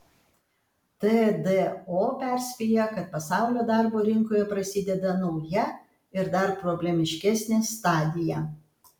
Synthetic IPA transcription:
t̪ɛd̪ɛoːpʲæˑɾʲsʲpʲiːjɛkɐt̪̚pɐsɑˑʊlʲoːd̪ɑˑɾboːɾʲɪŋkoːjɛpɾɐsʲɪd̪ʲɛd̪ɐnɒʊjɛ | ɪɾd̪ɐɾpɾɔbʲlʲɛmʲɪʃʲkʲɛsʲnʲest̪ɑːd̪ʲɪjɛ

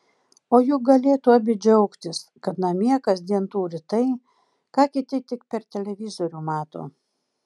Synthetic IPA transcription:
oːjuːɡɐlʲeːt̪uːɐbʲɪd͡ʒʲɛʊkt̪ʲɪskɐt̪nɐmʲiɛkɐsd̪ʲiɛnt̪uːɾʲɪt̪ɐɪ | kɑːkʲɪt̪ʲɪt̪ʲɪk̚pʲɛɾt̪ʲɛlʲɛʋʲɪzoːɾʲuːmɑːt̪o̰ː

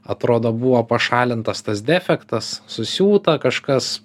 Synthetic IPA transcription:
ɐt̪ɾoːd̪oːbuʋoːpɐʃɑːlʲɪnt̪ɐst̪ɐsd̪ʲæfʲɛkt̪ɐssʊsʲuːt̪ɐkɐʃkɐs

